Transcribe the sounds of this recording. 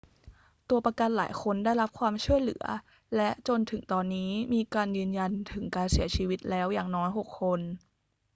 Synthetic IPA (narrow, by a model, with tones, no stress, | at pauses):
t̪u˧ɐpɾa˧ka˧nla̰ː˩˦jkʰo˧ndaː˥˩jɾa˦˥p̚kʰwaː˧mt͡ɕʰu˥˩əjlɯ̰˩˦ɐ | lɛ˦˥ʔt͡ɕo˧nt̪ʰɯ˨˩˦ŋt̪ɔː˧nːiː˦˥miː˧kaː˧njɯː˧nja˧nt̪ʰɯ˩˦ŋkaː˧nsi˩˦ɐt͡ɕʰiː˧wi˦˥t̪̚lɛː˦˥wjaː˨˩ŋnɔː˦˥jɦo˨˩kʰːo˧n